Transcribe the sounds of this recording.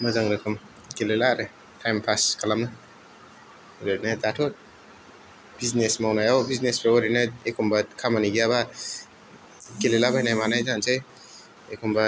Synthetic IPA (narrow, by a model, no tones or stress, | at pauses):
mazaŋɾɯkʰɯm | kelelaɾɯ | tʰajmpʰaskʰalamnɯ | ɾɯnadatʰɔt̚ | b̥iznesmawnajawbiznesbeɔɾinaekʰumbakʰamaniɡijaβa | kelelabajnajmanajzansej | ekʰumba